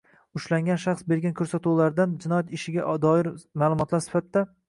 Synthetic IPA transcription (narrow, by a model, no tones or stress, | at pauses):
ʊʃlaŋɡʲanʃaχsbe̞ɾɡʲankʰɵɾsat̪ulaɾd̪and͡ʒɪnɒjat̪ɪʃɪɡʲaʔd̪ɒɪɾmaːlˠʊmɒt̪laɾsɪ̥fat̪d̪ːa